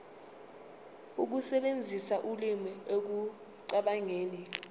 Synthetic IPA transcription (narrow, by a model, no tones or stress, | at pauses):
uk̬usɛɓend͡zʱisaʔulimiok̬u | ǀaɓaŋeːni